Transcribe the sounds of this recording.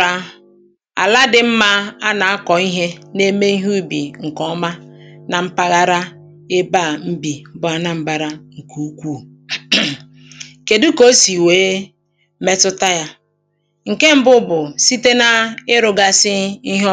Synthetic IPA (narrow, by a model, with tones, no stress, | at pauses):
a˦ | a̰˨la˦dɪ˦m̩˦ma˦a˦na˨a˦kɔ˨i˦ɦe˦ne˦me˦i˦ɦu˦bḭ˨ŋ̩˨kɔ˦ma˦na˨m̩˦pa˦ɣa˦ɾa˦ | e˦ba˦˨m̩˦bi˨bʊ˨a˦na˨m̩˦ba˨ɾa˦ŋ̩˨kʰu˦u˦kʷu˦˨˦ | ke˨du˦ko˦si˨weː˦ | me˦tʊ˦ta˦ja˦ | ŋ̩˨ke˦m̩˦bʊ˦bʊ˨si˦te˦na˦ɪ˦ɾʊ˨ɡa˦sɪ˦i˦ɦɔ˦